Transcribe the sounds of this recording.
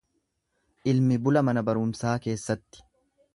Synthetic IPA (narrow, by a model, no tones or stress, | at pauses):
ʔɪlmɪbʊlɐmɐnɐbɐɾʊmsaːke̞ːsːɐt̪ːɪ̥